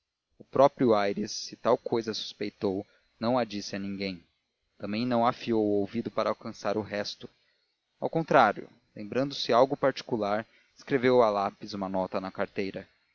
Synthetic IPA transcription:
ʊpɾɔpɾjʊajɾɪsːɪt̪awkojzɐsu̥spejt̪ow | nɐ̃w̃ad͡ʒisɪɐnĩŋɡẽj̃ | t̪ɐ̃mbẽj̃nɐ̃w̃afiowʊowvid̪ʊpaɾɐawkɐ̃saɾʊɦɛst̪ʊ | a̰wkõnt̪ɾaɾjʊ̰ | lẽmbɾɐ̃nd̪ʊsɪawɡʊpaɾt͡ʃi̥kulaɾ | ɪskɾevewalapɪzũmɐnɔt̪ɐnɐkaɾt̪ejɾɐ

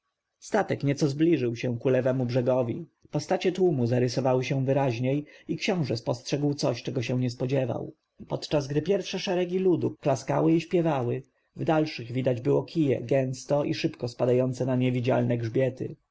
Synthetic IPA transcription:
st̪at̪ɛkɲɛt̪sɔzblʲiʐɘwɕɛ̃kulɛvɛmubʐɛɡɔvʲḭpɔst̪at͡ɕɛt̪wumuzaɾɘsɔvawɘɕɛw̃vɘɾaʑɲejikɕɔ̃w̃ʐɛspɔstʂɛɡwt̪sɔɕt͡ʂɛɡɔɕɛw̃ɲɛspɔd͡ʑɛva̰w | pɔt̪t͡ʂazɡd̪ɘpʲjɛɾfʂɛʂɛɾɛɡʲilud̪uklaskawɘiɕpʲjɛvawɘ | vd̪alʂɘɣvʲid̪ad͡ʑbɘwɔkʰʲijɛ̰ɡɛ̃ñst̪ɔʔiʂɘpkɔspad̪ajɔnt̪sɛnaɲɛvʲid͡ʑa̰lnɛɡʐbʲjɛt̪ɘ̰

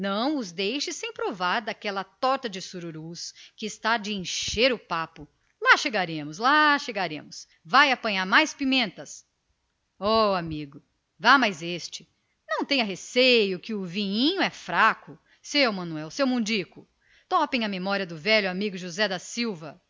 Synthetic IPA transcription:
nɐ̃w̃ʊzd̪ejʃɪsẽj̃pɾovaɾd̪akɛlɐt̪ɔɾt̪ɐd͡ʒɪsuɾuɾuskɪːst̪ad͡ʒɪẽʃeɾʊpapʊ | laʃeɡaɾẽmʊslaʃeɡaɾḛ̃mʊs | vajapɐ̃ɲaɾmajspimẽnt̪ɐs | ɔamiɡʊ | vamajzest͡ʃɪ̥ | nɐ̃w̃t̪ẽj̃ɐɦesejʊkɪʊvĩɲĩɲʊɛfɾakʊ | sewmɐ̃nuɛwsewmũd͡ʒikʊ | t̪ɔpẽj̃ɐmemɔɾiɐd̪ʊvɛʎʊamiɡʊʒuzɛd̪ɐsiwvɐ

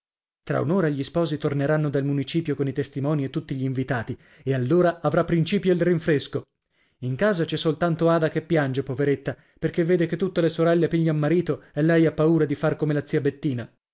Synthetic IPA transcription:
t̪ɾa̰ṵnoːɾaʎispɔːzit̪orneɾanːod̪almunit͡ʃiːpjokonit̪est̪imɔːniet̪ːut̪ːiʎiːɱvit̪aːt̪i | ealːoːɾaavɾapːɾint͡ʃiːpjoilriɱfɾesko | iŋkaːzat͡ʃɛsːolt̪ant̪oaːd̪akepːjand͡ʒepoveɾet̪ːa | perk̟evːeːd̪eket̪ːut̪ːelesoɾɛlːepiɲːaalmːaɾiːt̪oelːɛjapːauːɾad̪ifarkomelat̪sːiːabet̪ːiːna

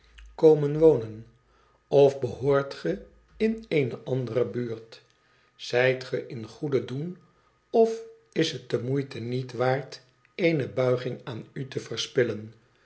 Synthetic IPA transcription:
kowmənʋownən | ɔfbəɦoːɹtχə | ɪnenəʔɑndərəbyːɹt | z̥ɛjtχəʔɪnχudədun | ɔf | ɪsɦət̚dəmujtənitʋaːɹt | ejnəbœɥχɪŋaːnytəvərspɪlən

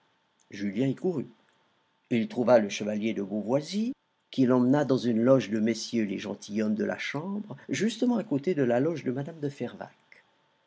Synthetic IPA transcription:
ʒyljɛ̃ikuʁy | ilt̪χuvaləʃəvaljed̪əbovwazi | kilɑ̃mnad̪ɑ̃zynlɔʒd̪əmesjølḛʒɑ̰̃t̪ʰijɔmd̪əlʔa̰ʃɑ̃bʁʒyst̪əmɑ̃akot̪ed̪əlalɔʒd̪əmad̪amd̪əfɛʁva̰k

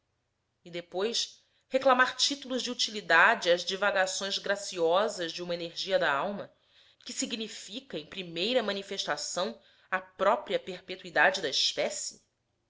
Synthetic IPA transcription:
id̪epojs | heklamaɾt͡ʃit̪uluzd͡ʒiut͡ʃilid̪ad͡ʒɪɐzd͡ʒivaɡasõj̃zɡɾasiɔzɐzd͡ʒɪũmɐeneɾʒiɐd̪ɐawmɐ | kɪsiɡnifikɐẽj̃pɾimejɾɐmɐ̃nifeʃt̪asɐ̃w̃ | ɐpɾɔpɾiɐpeɾpet̪uid̪ad͡ʒɪd̪ɐispɛsɪ

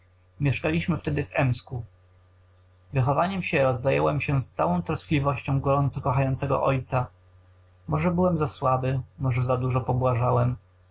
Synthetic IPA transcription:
mʲjɛʂkalʲiɕmɘft̪ɛd̪ɘvɛmsku | vɘxɔvaɲɛmɕɛɾɔzːajɛ̰wɛmɕɛst̪sawɔ̃w̃t̪ɾɔsklʲivɔɕt͡ɕɔ̃w̃ɡɔɾɔnt̪sɔkɔxajɔnt̪sɛɡɔ̰ʔɔjt̪sa | mɔʐɛbɘwɛmzaswabɘmɔʐɛzad̪uʐɔpɔbwaʐawɛm

